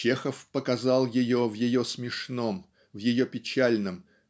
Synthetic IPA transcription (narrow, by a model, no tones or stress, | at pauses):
t͡ɕe̞xəfpəkɐzɑlˠjɪjovjɪjo̞smʲɪʂnom | vjɪjopʲɪt͡ɕælʲnəm